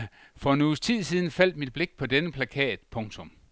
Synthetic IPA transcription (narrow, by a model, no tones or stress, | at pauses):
fɒ̽nuːst͡sʰið̰ˠsiːðˠn̩fæl̰d̥̚mid̥̚b̥le̝ɡ̥̚pʰɒ̽d̥enəpʰlækʰɛ̰ːd̥ˠpʰɔ̽ŋt͡sʰɔ̽m